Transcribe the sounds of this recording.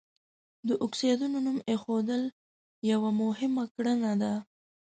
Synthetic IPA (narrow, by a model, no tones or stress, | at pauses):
d̪əʔʊksed̪unonumexod̪əl | jawamʊhɪmakɽənad̪a